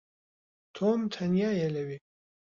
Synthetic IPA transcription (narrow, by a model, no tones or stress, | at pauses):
t̪ʰomt̪ʰanjajelɐwi